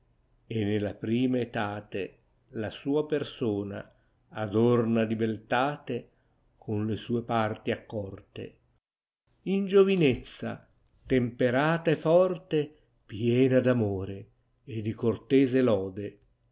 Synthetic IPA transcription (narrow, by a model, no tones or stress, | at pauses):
enːelapɾiːmaet̪aːt̪e | lasuːapersoːna̰ː | d̪ornalibelt̪aːt̪e | kʰʊnlesuːepart̪iakːɔrt̪ḛ | ind͡ʒovinet̪sːa̰ | t̪empeɾaːt̪aɛfɔrt̪e | pjɛːnad̪amoːɾeː | d̪ikort̪ɛːzelɔːd̪e